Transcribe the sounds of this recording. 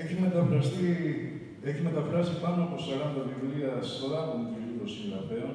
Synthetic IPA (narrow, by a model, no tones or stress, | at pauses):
eçimet̪ɐfɾɐst̪i | eçime̞t̪ɐfɾɐsipɐnoɐpo̞sɐɾɐnd̪ɐðivɾiɐst̪olɐt̪onit̪iluɾosiɾɐpeon